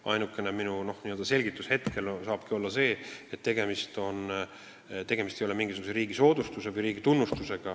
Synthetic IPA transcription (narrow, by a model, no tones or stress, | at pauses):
ɑ̰jnukːˑe̞neminuno̞hniø̞ld̪ɑse̞lʲɡit̪ːˑushe̞t̪kʰe̞lsɑːb̥̚kio̞lːɑse̞ːet̪ːe̞ɡ̥e̞mist̪o̞n | t̪e̞ɡ̥e̞mist̪ejo̞le̞miŋɡisuɡuseɾiːɡ̥iso̞ːd̪ust̪use̞vɯjɾiːɡ̥it̪unːust̪use̞ɡ̥ɑ